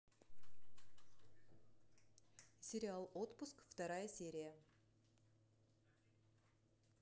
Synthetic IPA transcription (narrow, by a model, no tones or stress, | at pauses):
sʲe̞ɾʲialˠo̞t̪pʊskft̪ɑɾɑjəsʲe̞ɾʲija